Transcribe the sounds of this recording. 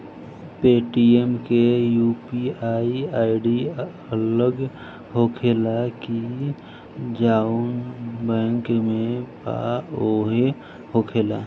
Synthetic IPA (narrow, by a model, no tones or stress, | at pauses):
peʈiemkejupiaiaːiɖi | ələɡ | ɦokʰelaki | d͡ʒaunbɛ̃ŋkmẽpa̰oɦe | hokʰeːla